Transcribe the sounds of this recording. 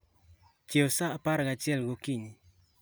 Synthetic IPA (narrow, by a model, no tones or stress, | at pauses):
t͡ʃjeosaːpaɾɡat͡ʃɪɛlɡokiɲi